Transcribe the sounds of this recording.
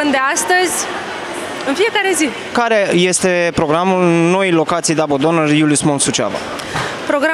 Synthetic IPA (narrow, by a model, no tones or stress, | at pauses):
ɨnd̪east̪əzʲ | ɨnfije̞kaɾe̞zi | kaɾe̞je̞st̪e̞pɾo̞ɡɾamulno̞ijlo̞kat̪sijd̪abod̪onəjuljusmonsut͡ʃa̰va̰ | pɾo̞ɡɾa